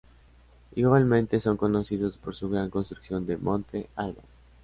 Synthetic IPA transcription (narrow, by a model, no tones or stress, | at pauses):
iɣwalmẽ̞nt̪e̞so̞ŋko̞no̞siðo̞spo̞ɾsuɣɾaŋko̞nst̪ɾuksjo̞nd̪e̞mõ̞nt̪e̞alβa̰ɾo